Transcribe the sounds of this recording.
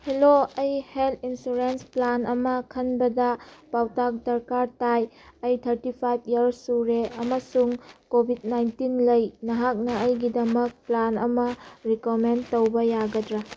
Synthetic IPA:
heloɐjheltʰinsuɾensplanɐmɐkʰɐnbɐdɐpawtak̚dɐɾkaɾtaj | ɐjtʰɐɾtipʰajb̚ʰjɐɾsuɾeɐmɐsuŋkobʱid̚najntinlɐjnɐɦak̚nɐəjɡidɐmɐk̚planɐ̰mɐɾikomentowbɐjaɡɐdɾa

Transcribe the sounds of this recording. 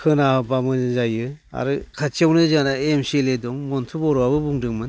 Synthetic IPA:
kʰɯnaɯbamɯzajɯa̰ɾɯkʰat͡ʃiawnɯzanaemseledɔŋmɔntʰubɔɾabɯbuŋdɯŋmɯn

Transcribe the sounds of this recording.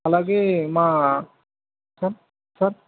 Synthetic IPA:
alaɡemã | səɾ | səɾ

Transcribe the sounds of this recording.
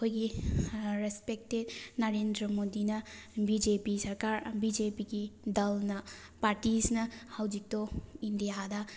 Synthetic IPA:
ɐkʰojɡi | ɾespek̚ted̚nɐɾendɾɐmodinɐbid͡ʒepisɐɾkaɾbid͡ʒepiɡidɐlnɐ | paɾtisnɐhɐwd͡ʒik̚toindijadɐ

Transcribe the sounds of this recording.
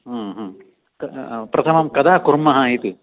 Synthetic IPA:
ɦɐ̃ɦɐ̃ː | kɐpɾʔɐt̪ʰɐmɐmkɐd̪aːkuɾmːɐɦɐit̪u

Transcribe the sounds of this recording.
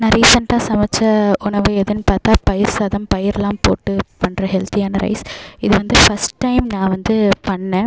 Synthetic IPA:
nɐɾiːsɐnʈaːsɐmɐt͡ʃːɐʊɳɐʋɯɛðɯnːɯpaːɾt̪aːpɐjɪɾsaːðɐmpɐjɪɾɛlaːmpoːʈːɯpɐɳːɾɐɦɛlt̪ɪjaːnɐɾɐ̰ɪsɪðɯʋɐnd̪ɯfɐsʈːɐɪmnãːʋɐnd̪ɯpɐɳːẽː

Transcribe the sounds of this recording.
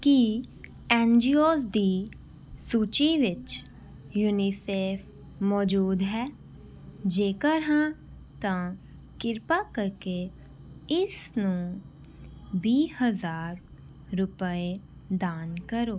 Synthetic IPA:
ki | ɛ̃ːnd͡ʒiːoːsd̪iː | suːt͡ʃiʋɪt͡ʃ | juːniseːfʰ | mɔːd͡ʒuːd̪ɦɛː | d͡ʒeːkəɾɦã | t̪ã | kɪɾpakəɾke | ɪsnũ | biːhəzaːɾː | ʊpəed̪aːnkəɾoː

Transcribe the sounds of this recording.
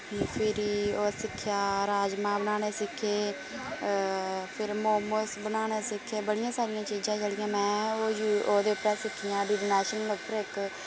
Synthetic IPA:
pʰɪɾioːsɪkʰːjaːɾaːd͡ʒmãːbənaːneːsɪkʰːeː | pʰɪɾmoːməsbənaːneːsɪkʰːeːbəɽɪjãːsaːɾɪjãːt͡ʃiːd͡ʒãːt͡ʃəɽɪjãːmɛ̃ːoːjuoːd̪eːʊpːɾɛːsɪkʰːijãːɖɪɖnɛːʃənlopəɾɪk

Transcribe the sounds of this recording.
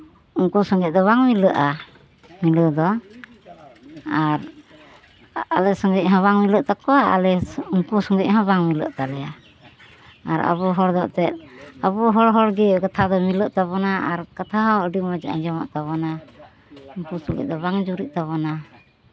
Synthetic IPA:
uŋkusɔŋɡɛʔ̚d̪ɔβaŋmiləʔa | miləd̪ɔ | aɾ | alɛsɔŋɡɛc̚ˀɦãβaŋmiləʔt̪akɔaa̰lɛuŋkusɔŋɡɛc̚ɦãbaŋmilə̰ʔt̪alɛja | aɾə̰βɔɦɔɽd̪ɔʔt̪ɛt̪̚əβɔɦɔɽɦɔɽɡɛkat̪ʰad̪ɔmiləʔt̪aβɔnaaɾkat̪ʰaɦãwəɖimad͡ʒʔa̰ɲd͡ʒɔma̰ʔt̪aβɔna | uŋkusulɛ̰ʔ̚d̪ɔbaŋd͡ʒuɾiʔ̚t̪aβɔna

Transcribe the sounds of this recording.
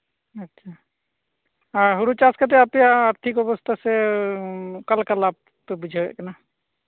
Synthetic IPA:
ətːʃʰa | aɦuɾut͡ʃaskət̪̬eapjaːɾt̪ʰikɔbəst̪ʰase | kəlkalab̚ | pebud͡ʒʱeɛ̰kena

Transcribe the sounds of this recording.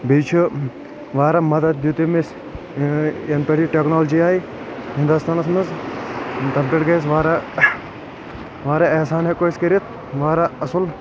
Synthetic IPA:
bit͡ʃʰu | ʋaːɾɐmɐd̪ɐd̪̚d̪jut̪imis | ɐnpɐʈiʈeknoːld͡ʒiaːi | ɦĩnd̪ust̪aːnɐsmɨz | t̪ɐmpeʈɡɐs̬ʋaːɾɐ | ʋaːɾɐeːsaːnɦekojskiɾit̪̚ʰ | ʋaːɾɐɐsul

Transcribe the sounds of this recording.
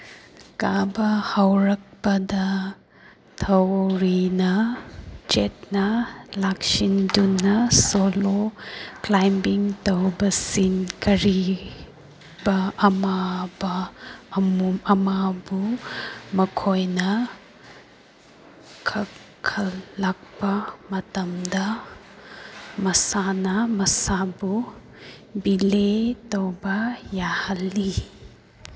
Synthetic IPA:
kabɐhawɾɐk̚pɐdɐ | tʰɐwɾinɐ | t͡ʃet̚nɐlaksindunːɐsoloklajmbiŋtɐwbɐsinkɐɾi | bɐːmabɐːmumɐmabu | mɐkʰojnɐ | kʰɐ | kʰɐllak̚pɐmɐtɐmdɐ | mɐsanɐmɐsabu | biletowbɐjahɐlːi

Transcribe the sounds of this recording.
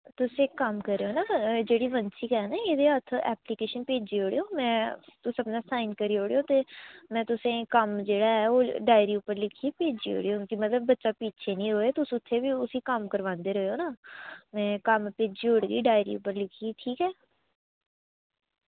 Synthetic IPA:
t̪ʊsẽːkːəmkəɾeoːnaːd͡ʒeːɽiːʋənsikɛːnaːed̪eːɦət̪ʰɛ̰ːpliːkeːʃənpeːd͡ʒiːɦoːɽeoːmɛ̃ːt̪ʊsəpnaːsaːinkəɾiːɦoːɽeoːt̪eːmɛ̃ːt̪ʊsẽːkəmd͡ʒeːɽaːɦɛːoːɖaːɪɾiːʊpːəɾlɪkʰiːpeːd͡ʒḭːɦo̰ːɽeːʊnkimət̪ləb̚ːətːʃaːpiːt͡ʃʰeːnĩːɦoːeːt̪ʊsʊt̪ʰːeːbiːʊsiːkəmkəɾʋãːnd̪eːɾəeoːnaːmɛ̃ːkəmpeːd͡ʒiːoːɽɡḭːɖaːɪɾḭːʊ̰pːəɾlɪkʰiːʈʰiːkɛː

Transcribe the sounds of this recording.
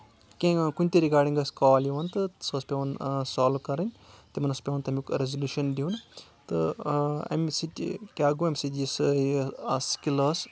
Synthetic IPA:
kẽkunʲt̪eɾiɡaːɖĩŋɡɐskaːliʋɐnt̪ɨsospʲeʋɐnsaːlʋkɐɾɨnʲt̪emɐnɐspʲeʋɐnt̪ɐmʲikɾezɐlʲjuːʃɐndiunt̪ɨ | ɐ̰msiʈʲḭkʲaːɡoɐmʲsitis | ɐskilɐs

